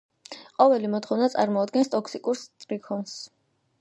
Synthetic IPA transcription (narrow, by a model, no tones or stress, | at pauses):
qʼɔvɛlimɔt̪ʰχɔvnat̪sʼaɾmɔad̪̚ɡɛnst̪ʼɔkʰsikʼuɾst̪ʼɾikʰɔns